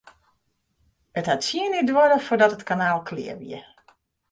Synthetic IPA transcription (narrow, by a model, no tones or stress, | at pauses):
əthatsiənidwʊɾəfʊːdɔtətkanaːlˠkʰlɪ̰əʋḭə